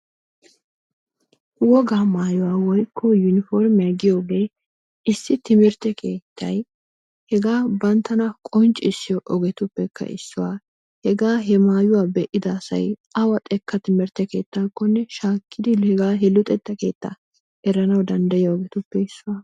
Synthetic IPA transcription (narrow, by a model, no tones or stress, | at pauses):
wɔɡaːmaːjʊwaːwɔjkʰːɔjʊnɪfɔɾmɪjɐɡɪjoɡe | ɪsːɪt̪ɪmɪɾt̪ɛkʰe̞ːt̪ʰːɐj | hɛɡaːbɐnt̪ɐnɐkʼɔnt͡ʃʼːɪɪsːɪjɔʔɔɡɛt̪ʊpːɛkʰːɐ̰ʔɪ̰sːʊwa | hɛɡaːɦɛmaːjʊwaːbɛʔɪd̪ɐːsɐ̰jʔɐwɐt̪ʼɛkːɐt̪ɪmɪɾt̪ɛke̞̰ːt̪ːaːkːɔnːɛʃaːkːɪd̪ɪhɛɡaːɦɛlʊt̪ʼɛt̪ːɐke̞ːt̪ːɐ̰ | ʔɛɾːɐnɐwd̪ɐnd̪ɐjɔɔɡɛt̪ʊpːɛɪsːʊwaː